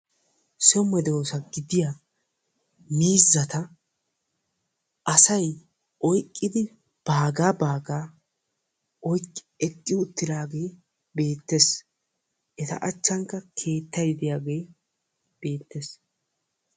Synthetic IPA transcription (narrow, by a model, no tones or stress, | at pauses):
sɔmɛd̪o̞ːsɐɡɪd̪ɪja | miːzːɐt̪ɐ | ʔɐsɐj | ʔɔjkʼːɪd̪ɪ | b̥aːɡaːbaːɡaː | ɔjkʼː | ɛkʼːɪʊt̪ːɪd̪aːɡe̞ː | be̞ːt̪ːes | ʔɛt̪ɐ̰ʔɐt͡ʃːɐŋkːɐkʰe̞ːt̪ːɐjɪd̪ɪjaːɡe̞j | b̥e̞ːt̪ːes